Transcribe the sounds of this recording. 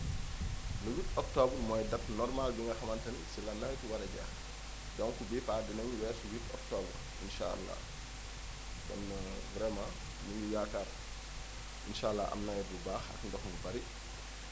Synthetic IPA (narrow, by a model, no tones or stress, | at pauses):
lɐwitɔk̚tɔːbrmɔːjdɐtnɔrmalbiŋɡɐxɐmɐntɐnsilɐnːɐjkuwɐɾɐɟa̰ː | ɟɔŋkubipaːdinɐŋɲuwɛːrsiwitɔk̚tɔːbər | inʃa̰ɐ̰lːa̰ | dɔ̰nːɐ | ɡɾɛma | nuɲujakaːr | inʃalːaʔɐ̰mnɐjbubaːxɐ̰kndɔxmubɐɾi